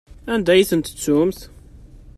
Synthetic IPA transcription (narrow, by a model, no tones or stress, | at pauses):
ænd̪æjiθənt̪ə̥t͡sːʊmθ